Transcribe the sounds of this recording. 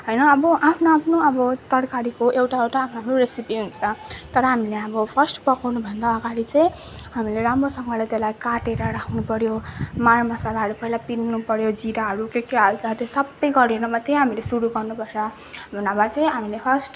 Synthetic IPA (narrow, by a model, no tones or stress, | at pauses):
ɦʌjnʌːbʌʔapʰnoapʰnoʌbʌt̪ʌrkaɾikoʔewʈaewʈaːpʰnaaproɾesipiɦunt͡sʰʌt̪ʌɾʌɦamileʌbʌpʰʌrsʈpʌkʌwnubʱʌnd̪aːɡaɾit͡sʌ̃j̃ | ɦamileɾamɾosʌŋɡʌlat̪elajkaʈeɾʌɾakʰnupʌɾjomarmʌsalaɦʌɾupʌilapinːupʌɾjod͡ziɾaɦʌɾukekeɦalt͡sʰʌt̪esʌbʌjɡʌɾenʌmat̪eɦamilesuɾuɡʌrnupʌrt͡sʰʌ | bʱʌnabat͡sʌj̃ɦamilepʰʌsʈ